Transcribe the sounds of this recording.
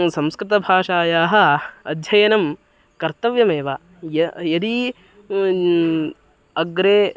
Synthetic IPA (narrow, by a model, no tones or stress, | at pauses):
sɐmskɾɪt̪ɐbʱaːʂaːjaːɦɐ̆ɐd̪ʱjɐjɐnɐm | kɐɾt̪ɐʋjɐmeːʋaː | jɐjɐd̪i | ɐɡɾeː